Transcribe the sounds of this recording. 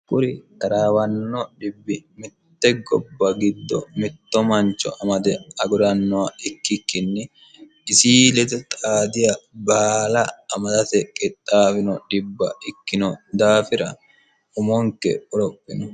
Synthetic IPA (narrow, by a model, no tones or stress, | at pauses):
kʼʊɾɪkɐɾaːwɐnːɔᶑɪbːɪmɪt̪ːɛɡɔbːɐɡɪd̪ːɔ̰mɪt̪ːɔmɐnt͡ʃːɔ̰ʔɐmɐd̪ɛɐɡʊɾɐnːɔɐɪkːɪkːɪnːɪ | ɪsiːlɛd̪ɛt̪ʼaːd̪ɪjɐbaːlɐːmɐd̪ɐt̪ɛkʼɪt̪ʼːaːfɪnɔᶑɪbːɐ̰ɪkːɪnɔd̪aːfɪɾɐ | ʊmɔŋkɛ̰ɔɾɔpʼːɪnɔ